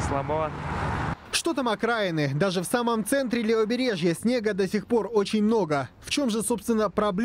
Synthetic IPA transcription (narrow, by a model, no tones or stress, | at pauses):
slˠɐboa | ʂt̪o̞t̪amɐkɾaɪnɨd̪aʐɨfsaməmt̪sɛnt̪ɾʲɪlʲɪobʲɪɾʲe̞ʐjəsʲnʲe̞ɡəd̪ɐsʲɪxpo̞ro̞t͡ɕɪnʲmno̞ɡəft͡ɕo̞mʐɨso̞pst̪vʲɪnːəpɾɐblʲ